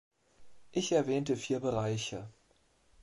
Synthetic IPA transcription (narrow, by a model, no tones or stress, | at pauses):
ʔɪçɛɐvɛːntəfiːɐbəʁaɪçə